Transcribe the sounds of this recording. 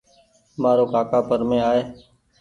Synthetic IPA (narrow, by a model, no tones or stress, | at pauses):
maːɾoːkaːkaːpəɾmẽːaːeː